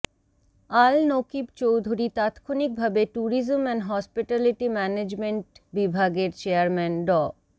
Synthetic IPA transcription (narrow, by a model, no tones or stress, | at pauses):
alnokibt͡ɕowd̪ʱuɾit̪at̪kʰonik̚bʱabeʈuɾizomɛnɦɔspiʈɛliʈimɛned͡ʑmeɳʈbibʱaɡeɾt͡ɕeaɾmɛnɖɔ